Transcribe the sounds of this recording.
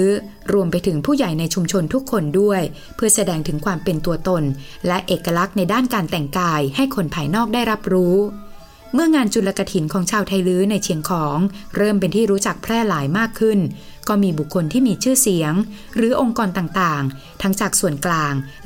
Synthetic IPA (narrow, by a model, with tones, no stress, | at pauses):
ɯ˦˥ | ɾu˧əmpa˧jt̪ʰɯ˩˦ŋpʰuː˥˩ja˨˩jna˧jt͡ɕʰu˧mt͡ɕʰo˧nt̪ʰu˦˥kʰːo˧ndu˥˩əj | pʰɯ˥˩ɐsa˧dɛː˧ŋt̪ʰɯ˩˦ŋkʰwaː˧mpe˧nt̪u˧ɐt̪o˧n | lɛ˦˥ʔeː˨˩kːa˧la˦˥k̚na˧jdaː˥˩nkaː˧nt̪ɛ˨˩ŋkaː˧jha˥˩jkʰo˧npʰaː˧˩jnɔː˥˩k̚daː˥˩jɾa˦˥p̚ɾuː˦˥ | mɯ˥˩ɐŋaː˧nt͡ɕu˨˩la˧ka˧t̪ʰi˩˦nkʰɔː˩˦ŋt͡ɕʰaː˧wt̪ʰa˧jlɯː˦˥na˧jt͡ɕʰi˨˩˦əŋkʰɔː˩˦ŋɾɤː˥˩mpe˧nt̪ʰiː˥˩ɾuː˦˥t͡ɕa˨˩k̚pʰɾɛː˥˩laː˩˦jmaː˥˩kʰːɯ˥˩n | kɔː˥˩miː˧bu˨˩kʰːo˧nt̪ʰiː˥˩miː˧t͡ɕʰɯː˥˩si˩˦əŋ | ɾɯː˩˦ʔo˧ŋkɔː˧nt̪aː˨˩ŋt̪aː˨˩ŋ | t̪ʰa˦˥ŋt͡ɕaː˨˩k̚su˨˩ənklaː˧ŋ